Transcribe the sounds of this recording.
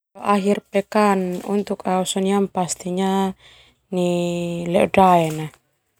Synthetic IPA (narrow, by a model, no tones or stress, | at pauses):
ɔʔaɦirpɛkanṵnt̪ukausɔniampast̪iɲa | nilɛɔdaɛna